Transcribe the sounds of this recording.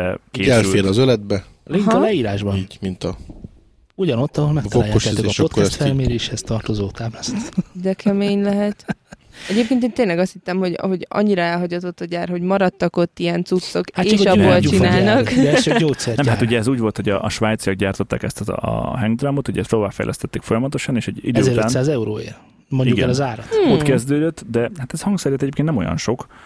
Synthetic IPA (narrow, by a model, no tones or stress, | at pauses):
ɛkeːɛlyeːlɒzølɛd̪̚bɛ | liɦlɛiːɾaːʒbɒniːɟmint̪ɒ | uɟɒno̞t̪ːɒɦo̞lmɛkvoaːjaoʃit̪ːeʃot̪ːoɛst̪fɛlmeːɾeːʃhɛst̪ɒrt̪ozoːt̪aːblast̪d̪ɛkʰɛmeːɲlɛɦɛt̪ɛɟeːp̚keːnt̪eːnt̪eːnlɛɡɒst̪hit̪ːɛmho̞ɟho̞ɟɒ̰ɲːiɾɒɛlɦɒɟɒt̪o̞t̪ːɒɟaːrho̞ɟmɒɾɒt̪ːɒko̞t̪ːijɛnt̪sut̪sːo̞kaeːt͡ʃːʃɒbolt͡ʃinaːlnɒkoːt̪sɛɾnɛmɦat̪uɟɛɛzuːɟvo̞lt̪ho̞ɟɒːʃʋaːjt̪sijɒɡ̚ɟaːrt̪o̞t̪ːa̰ːkɛst̪ɦɛŋɡd̪rɒmo̞t̪uɟɛ̰st̪loːvaːfɛ̰jlʔɛ̰st̪ɛt̪ːeːkfo̞jɒmɒt̪o̞ʃɒneːʃɛɟḭd̪øːɛɾansaːzɛuɾo̰ːḛːr | moɲiɟuɡɛɛnlɛzaːɾɒt̪okɛzd̪øːd̪øt̪ːd̪ɛhat̪ɛshɒŋɡsɛɾjɛt̪ːɛɟeːp̚kennɛmo̞̰jɒ̰nʃo̞k